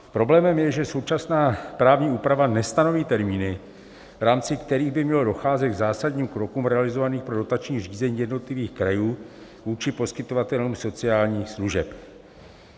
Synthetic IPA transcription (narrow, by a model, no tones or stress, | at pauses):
pɾo̞blɛːmɛmjɛʒɛso̞wt͡ʃasnaːpɾaːvɲiːʔuːpɾavanɛst̪ano̞viːt̪ɛɾmiːnɪ | vɾaːmt͡sɪkt̪ɛɾiːɣbɪmɲɛlo̞do̞xaːzɛt̪̚ɡzaːsadɲiːmkɾo̞kuːmɾɛalɪzo̞vaniːxpɾo̞do̞t̪at͡ʃɲiːr̝iːzɛɲiːjɛdno̞t̪lɪviːxkɾajuː | vuːt͡ʃɪpo̞skɪt̪o̞vat̪ɛluːmso̞t͡sɪaːlɲiːxsluʒɛp